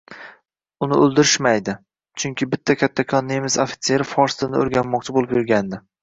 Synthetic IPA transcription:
ʊnɪɵlˠd̪ɪɾɪʃmajd̪ɪ | t͡ʃʰʊŋkʲɪbɪt̪ʰːakʲʰat̪ʰːakʰɒnːemɪzofɪ̥t̪se̞ɾɪfɒɾst̪ɪnɪo̰ɾɡʲanmːɒq̚t͡ʃʰɪbolɪpjʊɾɡʲand̪ɪ

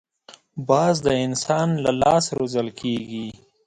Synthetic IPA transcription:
bɑːzd̪əɪnsɑnlalɑːsɾozəlkʰeɡi

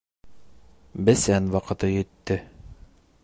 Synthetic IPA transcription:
bɘsænwɑqɤ̆t̪ɤjɵ̆t̪ːɘ

